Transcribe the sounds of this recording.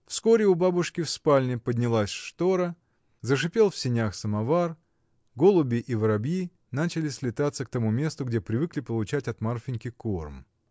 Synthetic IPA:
fsko̞ɾʲɪʊbabʊʂkʲɪfspalʲnʲɪpədʲnʲɪlˠasʲʂt̪o̞ɾə | zəʂɨpʲe̞lˠfsʲɪnʲaxsəmɐvar | ɡo̞lˠʊbʲɪʔivəɾɐbji | nat͡ɕɪlʲɪsʲlʲɪt̪at̪sək̚t̪ɐmumʲe̞st̪ʊɡ̚dʲepɾʲɪvɨklʲɪpəlˠʊt͡ɕætʲɐt̪marfʲɪnʲkʲɪkorm

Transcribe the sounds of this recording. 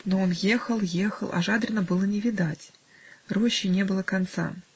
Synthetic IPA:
no̞onje̞xəlˠjexə̰lˠʔa̰ʐad̪ɾʲɪnəbɨlˠənʲɪvʲɪd̪atʲ | roɕːɪnʲe̞bɨlˠəkant̪sa̰

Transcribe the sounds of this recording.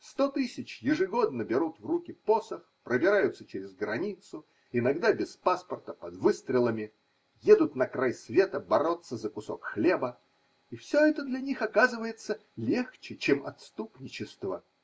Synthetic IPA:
st̪o̞t̪ɨsʲɪt͡ɕjɪʐɨɡo̞d̪nəbʲɪɾut̪vrukʲɪposəxpɾəbʲɪɾajʊt̪sət͡ɕɪɾʲɪzɡɾɐnʲit̪sʊ | ɪnɐɡd̪abʲɪspaspərt̪əpəd̪vɨst̪ɾʲɪlˠəmʲɪ | je̞d̪ʊt̪nɐkɾajsvʲe̞t̪əbɐɾo̞t̪səzəkʊsokxlʲe̞bə | ifsʲoɛt̪əd̪lʲɐnʲixɐkazɨvəjɪt̪səlʲext͡ɕɪt͡ɕemɐ̰t̪st̪upnʲɪt͡ɕɪst̪və

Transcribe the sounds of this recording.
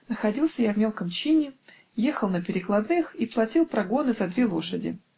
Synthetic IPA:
nəxɐdʲilˠsʲəjavmʲe̞lˠkəmt͡ɕinʲɪ | jexəlˠnəpʲɪɾʲɪklˠɐd̪nɨxiplˠɐtʲilˠpɾɐɡo̞nɨzɐd̪vʲelˠo̞ʂədʲɪ̰

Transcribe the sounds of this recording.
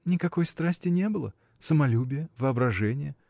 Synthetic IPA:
nʲɪkɐko̞jst̪ɾasʲtʲɪnʲe̞bɨlˠə̰ | səmɐlʲubʲɪjəvɨɐbɾɐʐɛnʲɪjə

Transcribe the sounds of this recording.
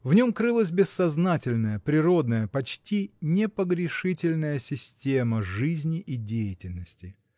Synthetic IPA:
vnʲo̞mkɾɨlˠəs̬ʲbʲɪsːɐznatʲɪlʲnəjəpɾʲɪɾo̞d̪nəjəpɐt͡ɕtʲinʲɪpəɡɾʲɪʂɨtʲɪlʲnəjəsʲɪsʲtʲeməʐɨzʲnʲɪʔɪdʲejɪtʲɪlʲnəsʲtʲɪ

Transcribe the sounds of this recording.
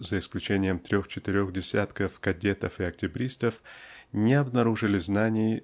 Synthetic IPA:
zəɪsklʲʉt͡ɕenʲɪjəmt̪ɾʲoxt͡ɕɪt̪ɪɾʲo̞ɣdʲɪsʲat̪kəfkɐdʲet̪əfɨɐk̚tʲɪbɾʲist̪əfnʲɪɐbnɐɾuʐɨlʲɪznanʲɪjɪ

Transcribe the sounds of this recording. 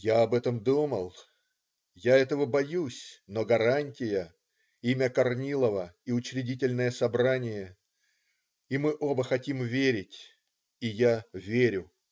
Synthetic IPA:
jaɐbɛt̪əmd̪uməlˠ | jaɛt̪əvəbɐjusʲnoɡɐɾanʲtʲɪjə | imʲəkɐrnʲilˠəvəiʊt͡ɕɾʲɪdʲitʲɪlʲnəjəsɐbɾanʲɪjə | imɨʔobəxɐtʲimvʲeɾʲɪtʲ | ijavʲeɾʲʊ

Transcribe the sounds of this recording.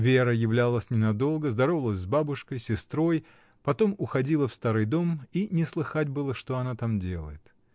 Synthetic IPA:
vʲe̞ɾəjɪvlʲalˠəsʲnʲɪnɐd̪o̞lˠɡəzd̪ɐɾo̞vəlˠəsʲzbabʊʂkəjsʲɪst̪ɾo̞j | pɐt̪o̞mʊxɐdʲilˠəfst̪aɾɨjd̪o̞minʲɪslˠɨxatʲbɨlˠəʂt̪o̞ɐnat̪amdʲe̞lˠə̰jɪt̪

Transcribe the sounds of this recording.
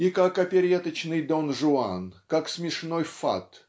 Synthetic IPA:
ikakɐpʲɪɾʲet̪ət͡ɕnɨjd̪onʐʊa̰nkaksmʲɪʂnojfa̰t̪

